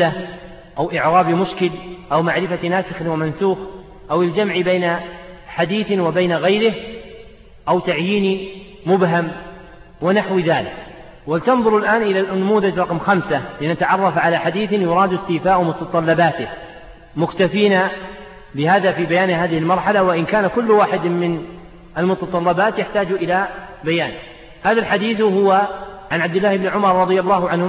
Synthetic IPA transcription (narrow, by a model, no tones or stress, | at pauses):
a | ʔawʔɪʕɾaɑːbimʊʃkɪlʔawmaʕɾɪfanaːsɪxɪnwamansuːx | ʔawɪld͡ʒamʕbeːnaħad̪iːθwɪbaːnaɣajɾɪh | ʔawt̪aʕjiːni | mʊbɦam | wɪnaħwðaːlɪk | wɪlt̪ɑnðˤʊɾɪlʔaːnʔɪlaʔnamuːðad͡ʒɾˤɑqmxamsalɪnat̪aʕɑrˤːɑfʕalaħad̪iːθjʊɾˤɑːd̪ɪst̪iːfaːʔmʊt̪ɑt̪ˤɑlːɑbaːt̪ɪh | mʊkt̪afiːna | bɪhaːðafiːbajaːnɦaːðɪhɪlmɑɾˤħalawaʔɪnkaːnakʊlːwaːħɪd̪mɪn | ʔalmʊt̪ɑt̪ˤɑlːɑbaːt̪jaħt̪aːd͡ʒʔɪlabajaːn | haːðalħad̪iːθhʊwaʕanʕab̚d̪ɪlːaːhɪbnʕʊmɑɾˤɾˤɑd̪ˤɨjɑlˤːɑːɦʊʕanhʊ